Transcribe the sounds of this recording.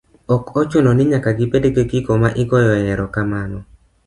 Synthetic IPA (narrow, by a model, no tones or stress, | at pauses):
ɔkɔt͡ʃʊnɔnɪɲakaɡɪpedeɡeɡiɡomaʔɪɡɔjɔjɛɾɔkamanɔ